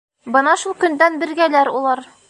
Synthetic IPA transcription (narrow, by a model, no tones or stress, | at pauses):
bɤnɑʃulˠkɵ̆nd̪ænbɘ̆ɾɡælæɾulˠɑɾ